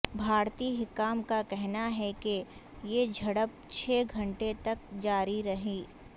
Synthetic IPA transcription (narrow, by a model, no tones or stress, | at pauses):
bʱaːɾt̪iːɦɪkːaːmkakɛɦnaɦɛke | jed͡ʒʱɐɽəp̚ | t͡ʃʰeːɡʱɐ̃ɳʈet̪ɐk̚d͡ʒaːɾiɾɐɦiː